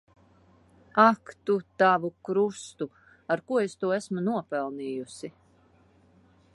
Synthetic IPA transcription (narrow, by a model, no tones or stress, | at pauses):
akt̪ut̪avukɾust̪u | aɾkuɔest̪uɔæsmunuɔpɛlˠniːjusi